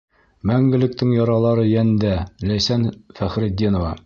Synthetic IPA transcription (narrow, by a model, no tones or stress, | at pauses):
mæŋɡɘ̆lɘ̆k̚t̪ɘŋjɒɾɑlˠɑɾɤjænd̪ælæjsænfæχɾɘd̪ːinŏvɑ̰